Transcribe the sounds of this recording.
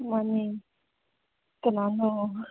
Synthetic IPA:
mani | kənano

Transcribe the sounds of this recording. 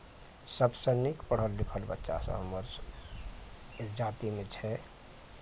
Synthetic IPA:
səbsənɪkpəɽ̤əlːɪkʰəlbə̰tːʃa̰sə̰̃ɦəməɾ | d͡ʒaːt̪imẽt͡ʃʰɛ

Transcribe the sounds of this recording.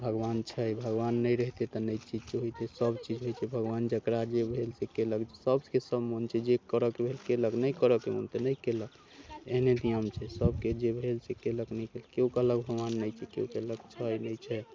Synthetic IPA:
bʱəɡʋant͡ʃʰɛjbʱəɡʋanːəjɾəɦit̪et̪ɔnəjt͡ʃid͡ʒt͡ʃeɦojt̪ɛsəbt͡ʃid͡ʒɦojt͡ʃʰɛbʱəɡʋand͡ʒəkɾad͡ʒebʱelsekeləɡd͡ʒsəbskesəbmont͡ʃʰɛd͡ʒekəɾəkebʱelkeləknəjkəɾəkemo̰nt̪enəjkelək | eɦned̪ijəmt͡ʃʰɛsəbked͡ʒebʱelsekeləknɛjkelkeukələɡbʱəɡʋanːəjt͡ʃʰɛkeukələkt͡ʃʰəjnət͡ʃʰɛ

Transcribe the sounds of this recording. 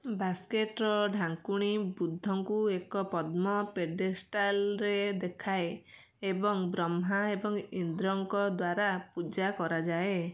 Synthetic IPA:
baskeʈɾɔɖʱaŋkuɽ̃ibud̪ʱːɔŋkuekɔpɔd̪mɔpeɖesʈalɾed̪ekʰae | ebɔŋbɾɔmɦaebɔŋind̪ɾɔŋkɔd̪waɾapud͡ʒakɔɾad͡ʒae

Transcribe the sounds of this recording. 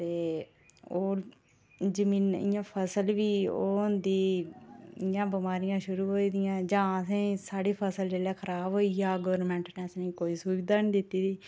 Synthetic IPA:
t̪eː | oː | d͡ʒəmĩːnɪ̰jãːpʰəsəlʋiːo̰ːʊnd̪iː | ɪjãːbəmaːɾɪjãːʃʊɾuːɦoːiːd̪ɪjãːd͡ʒãːəsẽːsaːɽiːpʰəsəld͡ʒeːlɛːkʰəɾaːbɦoːijaːɡəʋəɾnmɛ̃ːɳʈneːəsnĩːkoːiːsuːʋiːd̪aːnːd̪ɪt̪ːiːd̪iː

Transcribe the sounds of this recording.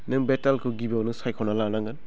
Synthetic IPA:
nɯbetalkʰɯɡibawnɯsajkʰawnalanaŋɡɯn

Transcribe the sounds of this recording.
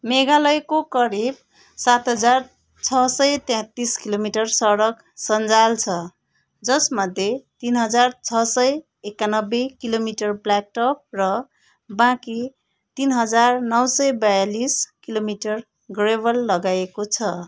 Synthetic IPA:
meɡalʌjkokʌɾib̚ | sat̪ɦʌd͡zar | t͡sʰʌsʌjt̪jɛ̃t̪iskilomiʈʌrsʌɾʌk | sʌnd͡zalt͡sʰʌ | d͡zʌsmʌd̪ʱjet̪inɦʌd͡zart͡sʰʌsʌj | ekːanʌbːekilomiʈʌrblak̚ʈʌp̚rʌ | bãki | t̪inɦʌd͡zarnʌwsʌjbajaliskilomiʈʌr | ɡrebʱʌlːʌɡaekot͡sʰʌ

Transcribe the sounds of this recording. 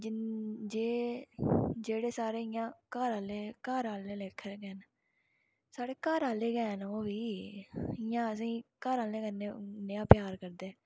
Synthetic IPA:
d͡ʒd͡ʒeː | d͡ʒeːɽeːsaːɾeːɪjãːkaːɾaːleːkaːɾaːlːẽːleːkʰːɾɡɛːn | saːɽeːkaːɾaːleːɡɛːnoːʋiː | ɪjãːəs̬ĩːkaːɾaːlẽːkənːeːnɪjãːpɪjaːɾkəɾd̪eː

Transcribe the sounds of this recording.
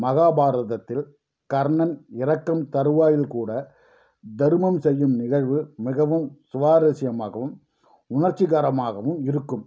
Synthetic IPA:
mɐɣaːbaːɾɐðɐt̪ːɪl | kɐɾɳɐnɪɾɐkːɐmt̪ɐɾɯʋaːjɪlkuːɽɐ | d̪ɐɾɯmɐmsɛjːɯmnɪɣɐɻʋɯmɪɣɐʋɯmsʊʋaːɾɐsɪjɐma̰ːɣɐʋɯm | ʊnɐɾt͡ʃːɪɣaːɾɐmaːɣɐʋɯmɪɾɯkːɯm

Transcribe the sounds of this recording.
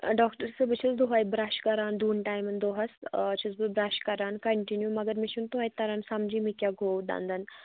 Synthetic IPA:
ɖɔkʈəɾsəbət͡ɕʰət͡sd̪uɦajbɾaɕkɐɾand̪uːnʈajmənd̪oɦast͡ɕʰizbubɾaɕkɐɾankəɳʈinjumɐɡəɾmiɕunt̪uɦajt̪ɐɾansɐmd͡ʑiːmikʲjaɡʱod̪ã̰nd̪ən

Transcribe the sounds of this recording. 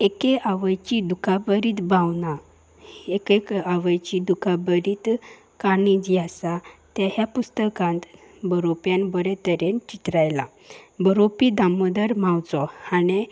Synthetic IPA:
ekeʔaʋəjt͡ɕid̪ukʰabəɾiːt̪bawna | ekekaʋəjt͡ɕid̪ukabəɾiːt̪ | kanid͡ʑiasat̪jaɦjapust̪əkãnt̪ | bəɾopjanbəɾet̪əɾent͡ɕit̪ɾajla | bəɾopid̪aməd̪əɾmawt͡sɔane

